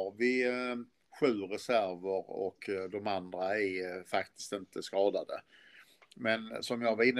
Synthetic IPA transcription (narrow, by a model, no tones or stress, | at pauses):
ɑvɪ | ɧʉ̟ːɾɛsæɾvəɾɔ̰kd̪ɔmand̪ɾaæɾfakt̪ʰɪ̥st̪ɪnt̪əskɑːd̪ad̪ə | mɛnsɔmjɑvaɾɪnː